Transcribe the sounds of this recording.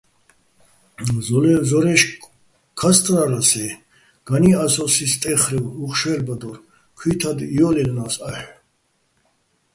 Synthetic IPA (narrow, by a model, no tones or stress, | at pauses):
zɔlɛzɔɾɛʃ | kʰast̪ʼɾaɾasɛ | ɡ̥aniasɔsist̪ʼɛχɾɛwuχʃɛlbad̪ɔr | kʰwit̪ʰad̪ijɔlɛlnasaħ